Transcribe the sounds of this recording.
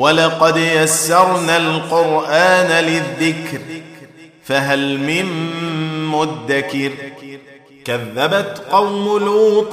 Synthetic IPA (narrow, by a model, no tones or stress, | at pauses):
walɑqɑd̪jasːɑɾˤnalqʊɾʔaːnalɪðːɪkɾ | faɦalmɪn | mʊd̪ːakɪɾ | kaðːabat̪qɑwmʊlʔuːt̪ˤ